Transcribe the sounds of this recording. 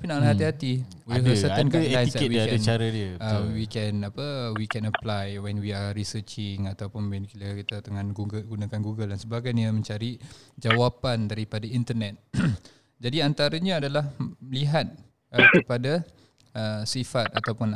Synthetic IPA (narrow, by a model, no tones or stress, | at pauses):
apinaʔlɦat̪iɦat̪i | wwiɦəsəankaanisawiadant͡ʃaɾədiəəwikɛnapəwikɛ̃nəplajwɛnwiaɾisət͡ʃɪŋat̪awpʊnwɛnkiləkit̪at̪əŋanɡuɡunãkanɡuɡəldansəbaɡajɲamə̃ɲt͡ʃaɾid͡ʒawapandaɾipadaint̪ənɛt̪̚ | d͡ʒadiant̪aɾaɲaːdalahməliɦat̪̚ | əkəpada | əsifat̪̚at̪awpʊn